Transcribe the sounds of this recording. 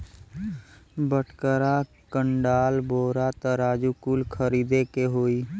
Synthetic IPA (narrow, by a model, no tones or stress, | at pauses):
bəʈʰkəɾa | kəɳɖaːlboːɾat̪əɾaːd͡ʒukuːlkʰəɾiːd̪ekeɦoːi